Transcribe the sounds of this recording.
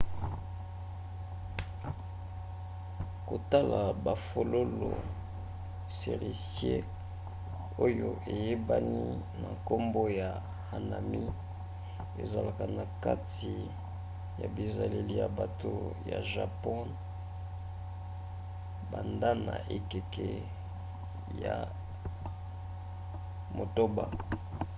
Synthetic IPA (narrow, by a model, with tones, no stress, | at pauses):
ko˨ta˦la˨ba˨fo˨lo˦lo˨ | se˨ʁi˨sje˦ | o˦jo˦ʔe˨je˦ba˦ni˦na˨ko˦mbo˦ja˨ | ha˨na˨mi˦ | ḛ˨za˨la˨ka˨na˨ka˦t | i˨ | ja˨bi˨za˨le˨li˦˨ja˨ba˨to˨ja˨ʒa˨pɔ˦n | ba˨nda˦na̰˨ʔe˨ke˨kɛ˨ | ja˨ | mo˨to˦ba˨